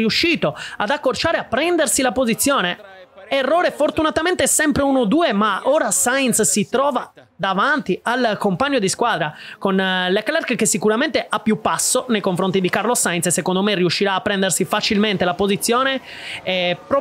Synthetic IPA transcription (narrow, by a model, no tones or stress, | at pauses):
iuʃːiːt̪oad̪akːort͡ʃaːɾeapːɾɛnd̪ersilapozit̪sːjɔːneerːɔːɾefort̪unat̪ament̪eɛsɛmpɾeunod̪uːemaoːɾasajnt̪ssit̪ɾɔːva | d̪avant̪ialkompaɲːod̪iskwaːd̪ɾakonleklɛrkkesːikuɾament̪eʔapːjupːasːonejkoɱfɾont̪id̪ikarlosajnssekond̪omerːiuʃːiɾaːpːɾɛnd̪ersifat͡ʃilment̪elapozit̪sːjɔːne | ɛp